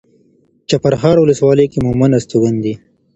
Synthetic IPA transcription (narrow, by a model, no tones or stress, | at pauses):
t͡ʃapaɾxɑːɾwʊləswɑləjkemʊmanast̪uwand̪i